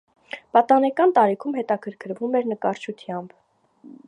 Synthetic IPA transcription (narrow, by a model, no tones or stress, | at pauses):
pɑt̪ɑnɛkɑnt̪ɑɾikʰumhɛt̪ɑkʰəɾkʰəɾvumɛɾnəkɑɾt͡ʃʰut̪ʰjɑmb